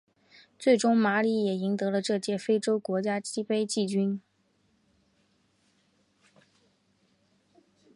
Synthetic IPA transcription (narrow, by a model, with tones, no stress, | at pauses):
t͡swe˥˩ɪʈ͡ʂʊ˥ŋma˧˥li˧˥jɛ˨˩i˧˥ŋt̪ɤ˧˥lə˧ʈ͡ʂɤ˥˧t͡ɕjɛ˥˩fe˥ɪʈ͡ʂo˥ʊkwɔ˧˥t͡ɕja˥t͡ɕi˥pe˥ɪt͡ɕi˥˩t͡ɕy˥n